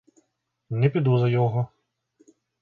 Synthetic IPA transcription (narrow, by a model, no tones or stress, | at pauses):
nɛpʲid̪uzɐjɔɦɔ